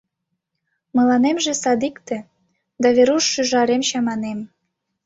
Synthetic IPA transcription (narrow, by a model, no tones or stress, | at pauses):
mɤ̆lɑnemʒesɑd̪ikt̪ĕ | d̪ɑβeɾuʃːyʒɑɾemɕɑmɑnem